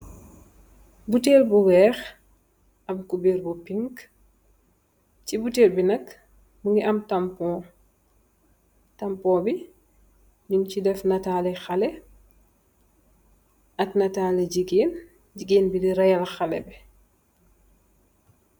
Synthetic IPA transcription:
buteːlbuwɛːx | ɐbkubeːlbupiŋk | cibuteːlbinɐk | buŋɡiʔɐmtɐmpɔː | tɐmpɔːbi | ɲuncidɛfnɐtaːlɛxɐlɛ | ɐknɐtaːlɛɟiɡeːn | ɟiɡeːnbidiɾɐjɐlxɐlɛ̰bɛ

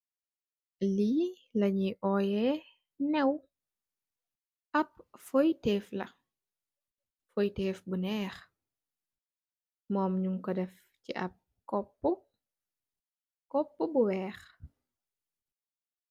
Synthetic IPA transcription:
liː | lɐɲiʔɔːjɛː | nɛw | ɐp̚fɔjtɛːflɐ̰ | fɔjtɛːfbunɛːx | mɔːmɲuŋkɔdɛf | cḭʔɐ̰p̚ | kɔpːu | kɔpːubuwɛːx

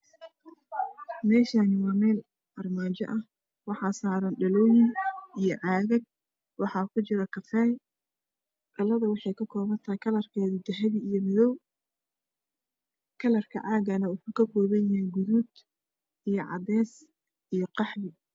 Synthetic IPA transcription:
mɛːʃaːnɪwɑːmɛːl | ʔɐrmaːt͡ʃɐ̰ʔɐh | wɑħɑːsaːɾɐnɖɐlɔwɪŋijɔʕɑːɣɐɡ̚ | wɑħɑːkʰʊt͡ʃɪɾɐkʰɐfɛːj | kɐlɐðɐwɑħɑjkʰɐkʰɔːβɐnt̪ʰɐkʰɐlɐrkʰɛːðɪd̪ɐɦɐβɪijɔmɪðɔw | kʰɐlɐrkʰɐ̰ʕɑːɣɐnɐwʊħuːkʰɐkʰɔːβɐjɪhɪɡʊðuːd̪ | ijɞʕɑ̰d̪ɛːs | ijɞqɑħbɪ

